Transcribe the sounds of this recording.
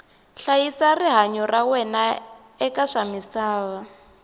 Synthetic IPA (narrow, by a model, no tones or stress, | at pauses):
ɬajisariɦaɲɔrawɛna | ɛkaʂamisaːβa